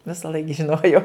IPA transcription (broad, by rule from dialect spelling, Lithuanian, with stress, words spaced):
ʋʲɪsɐˈlˠɐɪk ʒʲɪˈnoːjɛʊ